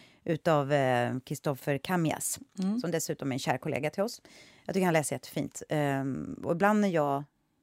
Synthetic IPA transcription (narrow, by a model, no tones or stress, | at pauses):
ʔʉ̟ːt̪avkʰɾɪst̪ɔfəɾkʰamɪa̰ssɔmd̪ɛsʉ̟ːt̪ɔmæɾɛnɕæːɾkʰʊlḛːɡat̪ʰɪlɔsjɑɡt̪ʏɪkːəɾhanlɛːsəɾjɛt̪ːə̥fḭːnt̪ | ɔ̰ɪbland̪æjɑː